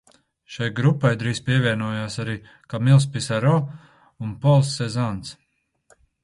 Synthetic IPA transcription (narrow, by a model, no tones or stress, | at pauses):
ʃajɡɾupːajd̪ɾiːspʲiɛvʲiɛnuɔjaːsaɾiː | kamilˠspisaɾɔ | unpɔlˠsːezant̪s